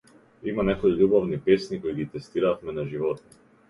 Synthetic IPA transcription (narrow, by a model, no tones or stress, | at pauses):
imanɛkɔjiʎubavnipɛsnikojiɡit̪ɛst̪iɾafmɛnaʒivɔt̪